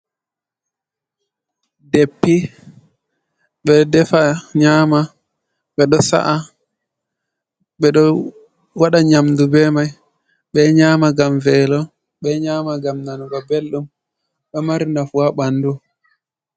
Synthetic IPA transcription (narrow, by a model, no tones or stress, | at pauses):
depːi | ɓɛdɛfaɲaːma | ɓɛɗɔsa̰ʔa | ɓɛɗɔ | waɗaɲamdubɛmaj | ɓɛɲaːmaɡamvɛlɔ | ɓɛɲaːmaɡamnanuɡɔbelɗum | ɓɛmaɾinafuaɓandu